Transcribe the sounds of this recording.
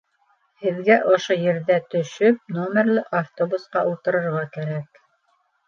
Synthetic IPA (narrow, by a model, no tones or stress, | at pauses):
hɘ̆ðɡæʔŏʃojɘ̆ɾðæt̪ɵ̆ʃɵp̚nomʲeɾlɘʔaft̪obusqɑʔulˠt̪ɤ̆ɾɤ̆ɾʁɑkæɾæk